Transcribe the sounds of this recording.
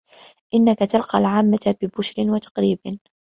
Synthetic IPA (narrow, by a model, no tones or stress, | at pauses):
ʔɪnːakat̪alqɑ̰lʕaːmːat̪b̥ɪbʊʃɾɪnwat̪ɑ̥qɾiːb